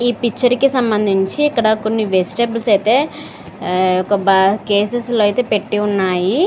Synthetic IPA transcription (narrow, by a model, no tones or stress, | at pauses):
iːpikt͡ʃːɐɾkisɐmbɐnd̪ʱiɲt͡ʃiːkːɐɽɐkonːiʋesi̥ʈeblsɐjt̪e̞ː | ɔkɐbke̞ːsesloːɐjt̪e̞ːpe̞ʈːiunːaːji